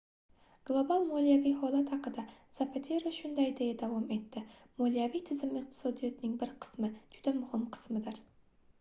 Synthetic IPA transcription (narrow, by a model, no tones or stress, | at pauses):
ɡ̥lˠobalˠmolijavijɦɒlˠat̪hɑqɨd̪a | z̥apʰat̪ʰeɾoʃʊnd̪ajd̪ejad̪avɒme̞t̪ʰːɪmolijavijt̪ʰɪzɪmɪq̚t̪ʰɪ̥sɒd̪ijɒt̪nɪŋbɪɾqʰɨ̥smɪd͡ʒʊd̪amʊhɪmqʰɨ̥smɪd̪ɪɾ